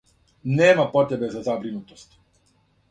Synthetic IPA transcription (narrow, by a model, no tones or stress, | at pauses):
nɛmapɔt̪ɛbɛzazabɾinut̪ɔ̥st̪